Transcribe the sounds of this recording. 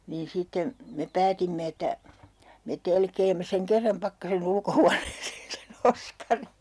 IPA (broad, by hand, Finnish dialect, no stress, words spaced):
niːn sitːe me pæːtimːe etːæ me telkeːmːe seŋ kerːɑm pɑkːɑsen ulkohuɑneːseːn sen oskɑri